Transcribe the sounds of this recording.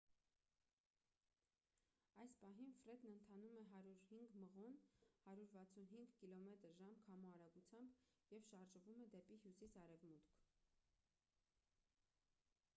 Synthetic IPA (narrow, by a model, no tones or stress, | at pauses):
ɑjspɑɦinfɾɛd̪nənt̪ʰɑnumɛɦɑɾuɾhiŋɡməʁɔnhɑɾjuɾvɑt͡sʰunɦiŋɡkilɔmɛt̪əɾʒɑmkʰɑmuɑɾɑɡut͡sʰjɑmbjɛvʃɑɾʒəvumɛd̪ɛpihjusisɑɾɛvmut̪kʰ